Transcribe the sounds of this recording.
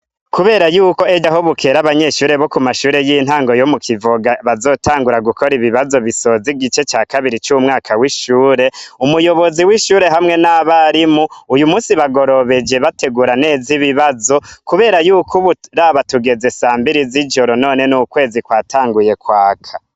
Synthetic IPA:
kuβe̞ːɾajuːko̞ed͡ʒaɦoβukʰe̞ːɾaβaɲe̞ːʃuːɾe̞βo̞kumaʃuːɾe̞jiːn̥haːŋɡo̞jomukʰivoɡaβazo̞ːtʰaːŋɡuɾaɡukʰo̞ɾiβiβazo̞βiso̞ziɡit͡ʃe̞t͡ʃaːkaβiɾit͡ʃumŋaːkʰawiʃuːɾe̞umujo̞βo̞ziwiʃuːɾe̞ɦamŋe̞naβaɾimuːjumuːsiβaɡo̞ɾo̞βe̞d͡ʒe̞βate̞ɡuɾane̞ːziβiβazo̞kuβe̞ːɾajuːkʰuβuɾaβatuɡe̞ze̞saːmbiɾiziʒo̞ɾo̞no̞ːne̞nukwe̞ːzikwaːtʰaːŋɡuje̞kwaːkʰḁ

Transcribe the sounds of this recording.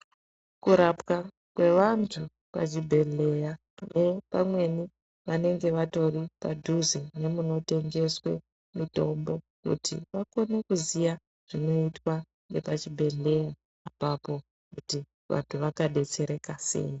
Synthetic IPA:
kuɾapka | kwe̞ʋantʰu | pa̰t͡ʃibʱe̞ɮe̞ja | ne̞pamwe̞ni | ʋane̞ŋɡe̞ʋato̞ripa̰dʱuzene̞muno̞te̞ŋɡe̞swe̞̰ | mito̞mbo̞ | kṵtʰḭʋako̞nekuzija | ʐ̥ino̞itwa | ŋɡe̞pat͡ʃibʱe̞ɮe̞jaː | papo̞ | kuti | ʋa̰ntʰuʋakaɗe̞t͡se̞ɾe̞kase̞̰ːi

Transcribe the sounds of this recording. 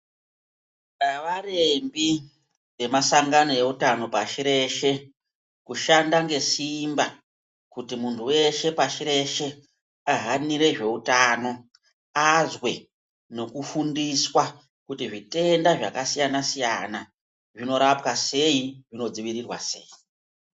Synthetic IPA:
aʋarembi | ʋe̞masaŋɡano̞je̞utano̞paʃiɾe̞ʃe̞ | kuʃandaŋɡe̞simba | kutimuntʰuwe̞ʃe̞paʃiɾe̞ʃe̞ | aɦaniɾe̞ʐe̞utaːno̞ | azwe̞ | no̞kufundiswa | kutiʐite̞ndaʐakasijanasijana | ʐino̞ɾapkase̞iʐino̞d͡ziʋiɾirwa̰se̞̰ːi

